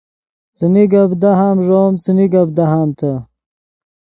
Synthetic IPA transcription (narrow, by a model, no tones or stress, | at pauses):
t͡siniɡɐbd̪ɐɦaːmʐoːmt͡siniɡɐb̚d̪ɐɦaːmt̪ʰɐ